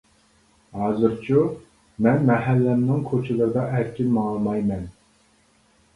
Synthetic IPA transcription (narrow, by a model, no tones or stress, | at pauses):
hɑːzɨɾt͡ʃʰu | mɛnmɛɦɛlːɛmnɪŋkʰot͡ʃʰɪlˠɨɾɨd̪ɑʔæɾkʲʰinmɑŋlˠɨmɑjmɛn